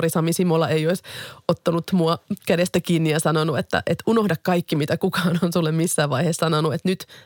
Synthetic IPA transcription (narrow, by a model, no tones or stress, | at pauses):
risɑmisimolɑejoisot̪ːɑnut̪muɑkædest̪ækiːnːijɑsɑnonuet̪ːæ̰ʔet̪unohdɑkkɑikːimit̪ækukɑːnonsulːemmisːæːʋʋɑihessɑnonuet̪nyt̪